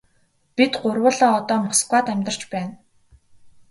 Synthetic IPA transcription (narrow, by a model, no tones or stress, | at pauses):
pit̪ɢʊrwə̆ɮɔːt̪ɔːmɔskwaːt̪æmʲt̪ə̆r̥t͡ɕpæːn